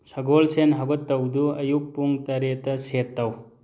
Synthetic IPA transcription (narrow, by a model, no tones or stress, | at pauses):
sɐɡolsenɦɐɡɔtːɐwduɐjuk̚puŋtɐɾetːɐsetːɐw